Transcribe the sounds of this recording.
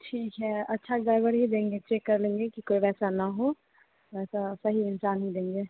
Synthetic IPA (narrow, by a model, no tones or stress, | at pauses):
ʈʰiːkɦɛːɐtːʃʰaɖɾaːɪbəɽɦid̪ẽːŋɡet͡ʃeːkːɐɾlẽːŋɡekikoːiʋɛːsanɐɦo | ɛːsasɐɦiɪnsaːnɦid̪ẽːŋɡeː